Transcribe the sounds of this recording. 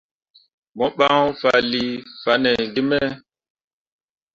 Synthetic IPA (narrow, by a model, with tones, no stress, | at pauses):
mɔ˦ɓa˦fa˨li˦fa˨˦nɛ˨ɡi˦mɛ˦